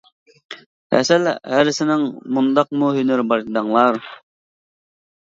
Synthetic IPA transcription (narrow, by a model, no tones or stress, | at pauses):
ɛ̰sɛlhæɾɪsɪnɪŋmund̪ɑq̚muɦynɪɾbɑɾd̪ɑŋlˠɑɾ